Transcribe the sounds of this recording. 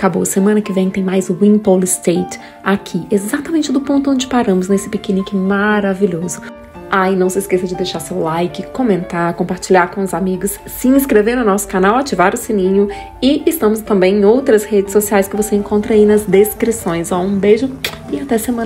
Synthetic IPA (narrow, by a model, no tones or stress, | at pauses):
akabo̰semɐ̃nɐkɪvẽj̃t̪ẽj̃majzwĩpolɪst̪ejt͡ʃ | akʰiezat̪amẽnt͡ʃɪd̪ʊpõnt̪ʊõnd͡ʒɪpaɾɐ̃mʊznesɪ̥pekẽnĩkɪmaɾaviʎozʊ | ajnɐ̃w̃sɪːskesɐd͡ʒɪd̪ejʃaɾsewlajkɪkõmẽnt̪aɾkõmpaɾt͡ʃilʎaɾkõʊzamiɡʊsːɪĩskɾeveɾnʊnɔsʊ̥kanawat͡ʃivaɾʊsĩnĩɲʊ | ɪɪst̪ɐ̃mʊst̪ɐ̃mbẽj̃ẽj̃owt̪ɾɐshed͡ʒɪsosiajskɪvoseẽkõnt̪ɾɐinɐzd̪eskɾisõj̃zaũbeʒʊ | ɪat̪ɛsemɐ̃